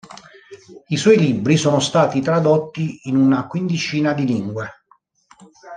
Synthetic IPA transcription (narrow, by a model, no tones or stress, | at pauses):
iswɔjlibːɾisoːnost̪aːt̪it̪ɾad̪ot̪ːiːnunakwind̪it͡ʃiːnad̪iliŋɡwe